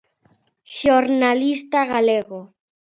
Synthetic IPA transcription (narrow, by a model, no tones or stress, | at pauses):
ʃjoɾnalist̪aɣaleɣo